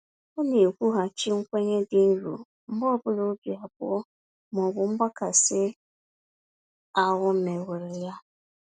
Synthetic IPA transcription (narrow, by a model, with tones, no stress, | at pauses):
o˦ne˨e˨kʷu˦ɦa˨t͡ʃi˦ŋ̩˦kʷe˦ɲe˦dɪ˨n̩˦ɾṵ˨ | m̩˦bɔ˦˨bʊ˦lo˨˦bi˨a˨bʊ̰˦ɔ˦ | m˨ɔ˨ɡʊ˨ŋ͡m̩˦ɡ͡ba˦ka˨sɪ˦ | a˦wʊ˦me˨we˨ɾɪ˨ja˦